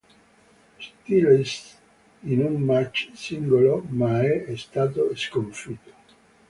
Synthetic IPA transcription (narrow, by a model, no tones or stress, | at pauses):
st̪ilist̪ | inunmat͡ʃsiŋɡolomaɛɛst̪aːt̪̬oskoɱfit̪o̥